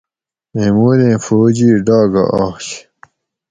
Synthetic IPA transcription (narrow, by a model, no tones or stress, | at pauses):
memuːɾẽːfoːd͡ʑiɖaːɡɐ̰ʔaːɕ